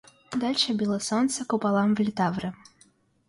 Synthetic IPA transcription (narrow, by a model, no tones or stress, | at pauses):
d̪alʲʂəbʲilˠəsɔnt̪səkʊpalˠamvlʲɪt̪avɾɨ